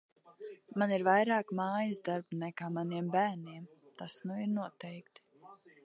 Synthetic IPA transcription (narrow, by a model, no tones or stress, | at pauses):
maniɾvajɾaːkmaːjizd̪aɾbnɛkaːmaniɛmbæːɾniɛm | t̪asnuiɾnuɔt̪ɛjkt̪